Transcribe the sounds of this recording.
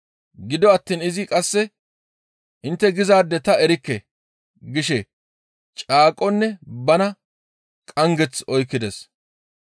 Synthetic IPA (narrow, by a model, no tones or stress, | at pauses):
ɡɪd̪ɔɐt̪ːiːnɪzɪkʼɐsːɛ | ʔɪnt̪ːɛɡɪzaːd̪ːɛt̪ɐɛɾɪkːɛ | ɡɪʃɛ | t͡ʃʼaːkʼːɔnːɛbɐnɐ | kʼɐŋɡɛt͡sɔjkːɪd̪ɛs